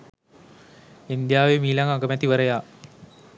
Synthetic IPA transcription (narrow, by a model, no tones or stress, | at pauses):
ind̪jaːʋemiːlaŋaɡəmɛt̪iʋəɾəjaː